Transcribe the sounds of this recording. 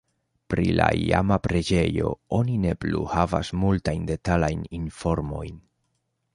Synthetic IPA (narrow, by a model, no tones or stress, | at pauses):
pɾila̰ia̰mapɾe̞d͡ʒe̞jo̞̰o̞nine̞plṵhava̰smultajnde̞talajninfo̞ɾmo̞jn